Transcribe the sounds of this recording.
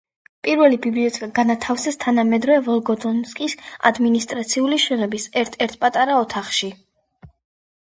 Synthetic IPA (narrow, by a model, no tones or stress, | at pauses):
pʼiɾvɛlibibliɔt̪ʰɛkʼaɡanat̪ʰafsɛst̪ʰanamɛd̪ɾɔvɛvɔlˠɡɔd̪ɔnskʼisa̰d̪minist̪ʼɾat̪sʰiuliʃɛnɔbisɛɾt̪ʰɛɾt̪ʰpʼat̪ʼaɾaɔt̪ʰaχʃi